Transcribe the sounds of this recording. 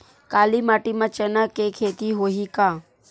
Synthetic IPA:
kaːlimaːʈimãt͡ʃenakekʰeːt̪iɦoɦikaː

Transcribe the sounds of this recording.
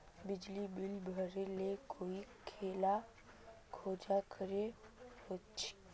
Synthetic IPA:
bɪd͡ʒlibɪlbʱəɾelekʰoːikʰeːla | kʰoːd͡ʒakʰəɾeɦoːtt͡ʃʰe̥

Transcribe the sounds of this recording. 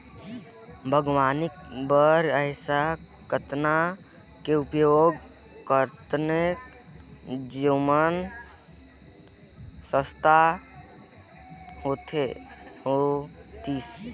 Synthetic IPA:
bʱəɡwaːnikbəɾəɪsa | kət̪na | keʊpjoɡ | kəɾt̪nek | d͡ʒimən | səst̪ʰa | ɦoːt̪ʰeot̪iːs

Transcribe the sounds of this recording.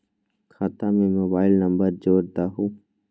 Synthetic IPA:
kʰaːt̪amẽmoːbaːɪlnəmbəɾd͡ʒoːɾd̪aːɦũː

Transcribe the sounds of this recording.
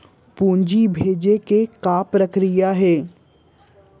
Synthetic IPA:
puːɲd͡ʒibʱeːd͡ʒekekaːpɾəkɾijaɦɛː

